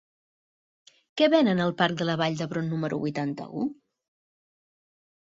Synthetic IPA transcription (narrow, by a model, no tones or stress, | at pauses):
kɛβɛnənəlˠpark̚d̪ələβaʎd̪əβɾonːuməɾʔṵβujt̪ant̪ə̰u